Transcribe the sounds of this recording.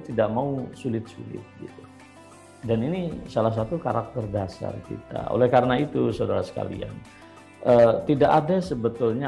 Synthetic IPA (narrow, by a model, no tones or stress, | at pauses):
t̪idaʔmausulɪt̪̚sulɪ̰t̪̚ɡit̪u̥ | daninisalahs̬at̪ukaɾak̚t̪ɛrdasa̰rkḭt̪a̰o̰lɛhkaɾənait̪usaudaɾasə̥ka̰lḭa̰n | ʔət̪idaʔadasəbət̪ʊlɲa